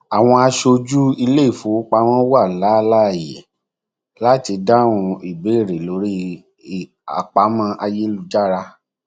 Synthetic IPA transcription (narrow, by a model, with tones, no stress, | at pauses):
a˨w̃ɔ̃˧a˧ʃo˧d͡ʒu˦i˧le˦i˦˨fo˨˦k͡pa˧w̃ã˦wa˦˨la˨˦˧la˦˨jɛ̰˨ | la˦ti˧da˦˨w̃ũ˧i˨be˨˦˨ɾe˨lo˨˦ɾi˦˨ | a̰˨k͡pa˨˦mã˧ʔa˧je˦lu˧d͡ʒa˦ɾa˧